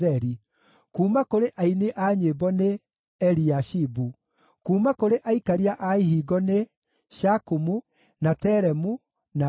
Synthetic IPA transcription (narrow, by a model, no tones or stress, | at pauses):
ɛɾi | kuːmakoɾeʔaineʔaɲebɔne | ɛɾiaʃibu | kuːmakoɾeʔaikaɾiaʔaiɦiɡɔne | ʃakumu | natɛɾɛmu | na